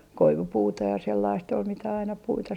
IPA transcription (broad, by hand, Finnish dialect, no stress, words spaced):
koiʋupuːtɑ jɑ selːɑist ol mitæ ɑinɑ puitɑ